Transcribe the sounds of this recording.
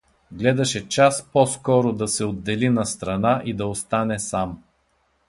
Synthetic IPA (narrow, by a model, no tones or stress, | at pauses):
ɡlɛd̪ɐʃɛt͡ʃaspɔskɔɾod̪ɐsɛod̪ːɛlinɐst̪ɾɐnaʔid̪ɐost̪anɛsam